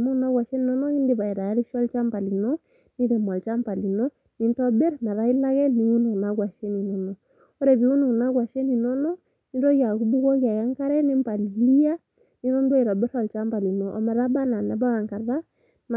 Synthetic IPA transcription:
mu˦na˦ɣwa˨ʃɛ˦ni˨nɔ˦nɔ˦ɣi˦ndi˦βa˨i˨ɾa˨˦ɾi˦ʃɔ˦lt͡ʃa˦mpa˨li˨nɔ˦ | ni˦ɾɛ˨m˨a˨lt͡ʃa˦m˦pa˨li˨nɔ˦ | ni˨˦n˦tɔ˦bɛ˦ɾna˨ɾa˦i˦la˦ɣɛ˦ni˨wu˦no˨na˦ɣwa˨ʃe˦ni˨nɔ˨˦nɔ˨ | ɔ˦ɾɛ˨βi˨˦u˦no˨na˦ɣwa˨ʃɛ˦ni˨nɔ˦nɔ˦ | ni˦ɾɔ˦ɣa˨ku˦bu˦ɣɔ˦ɣa˨ja˦ŋka˦ɾɛ˦ni˦m˦pa˨li˨li˦a˦ | ni˦ɾɔ˦n˦dwa˦i˨ɾɔ˨bɛ˦ɾɔ˨lt͡ʃa˦mpa˨li˨nɔ˨ʔɔ̰˨mɛ˨ɾa˦ba˦na˨nɛ˨ba˦ɣa˨ŋka˨ɾða˦ | na˨

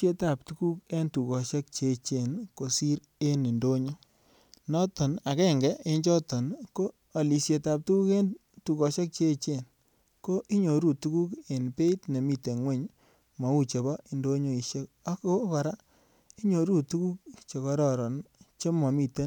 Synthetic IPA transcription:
e˦ta˨p̚tu˦ku˦ke˦ntu˨kɔ˨ʃe˦k̚t͡ʃe˨˧t͡ʃe˨nko˨si˦ɾ | e˦ne˨ndo˦ɲo˦ | nɔ˦tɔ˨na˨kɛ˦ŋɡɛ˦e˦ɲt͡ʃɔ˦tɔ˨nkoː˦˨ | li˨sje˧ta˨p̚tu˦ku˦ke˦n | tu˨kɔ˨ʃe˦k̚t͡ʃe˦t͡ʃe˦˨n | ko˦ʔi˦ɲo˨ɾu˨tu˦ku˦ke˨npe˦tne˨mi˦te˨ŋwe˦˨ɲ | mɔ˨˦u˦˨t͡ʃe˨bɔ˦i˨ndo˦ɲo˦i˨ʃe˦ka˦ko˦ka˨ɾa˦ | i˦ɲo˨ɾu˦˨tu˦ku˦k̚t͡ʃe˨kɔ˧ɾɔ˨ɾɔ˨nt͡ʃe˦mɔ˨mi˨te˦n

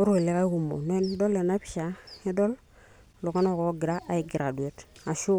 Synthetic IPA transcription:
o˦ɾu˦e˨le˨˦ka˦i˦ku˨mo̰˨n˦e˦n˦do˦le˨na˦pi˦ʃa˨i˦do˦l | lo˨ka˦no˦ko˨˦ɡi˨ɾa˦ʔa˨i˨ɡi˨ɾa˨du˨e˨ta˨ʃu˦

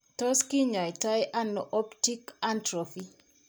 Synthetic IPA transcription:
tɔ˦ski˦ɲa˨jta˦jʔa˦nɔ˨ʔɔ˦pti˦ka˦ntɾɔfi˦

